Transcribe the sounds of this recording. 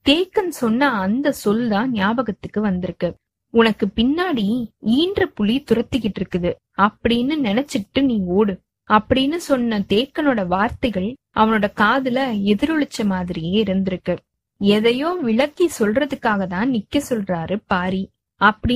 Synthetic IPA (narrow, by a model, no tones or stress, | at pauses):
t̪eːkːɐnsɔnːɐːnd̪ɐsɔlt̪ãːnɪjaːbɐɣɐt̪ːɯkːɯʋɐnd̪ɪɾɯkːɯ | ʊnɐkːɯpɪnːaːɽiiːndrɐpʊɭit̪ʊrɐt̪ːɯkːɪʈːɪɾɯkːɯðɯ | ɐpːɐɽinːɯnɛnɛt͡ʃːɪʈːɯniːoːɽɯ | ɐpːɐɽinːɯsɔnːɐt̪eːkːɐnoːɽɐʋaːɾt̪ɐɪɣɐɭ | ʔɐʋɐnoːɽɐkaːðɪlɐɛðɪɾɯɭɪt͡ʃːɐmaːðɪɾɪjeːɪɾɯnd̪ɪɾɯkːɯ | ɛðɐjoːʋɪɭɐkːisɔlrɐðɯkːaːɣɐt̪ãːnɪkːɐsɔlraːɾɯpaːɾi | ɐpːɐɽi